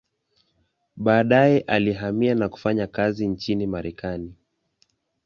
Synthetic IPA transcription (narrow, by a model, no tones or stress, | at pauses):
ɓaːɗajɛʔaliɦamianaku̥faɲakazint͡ʃinimaɾɛkani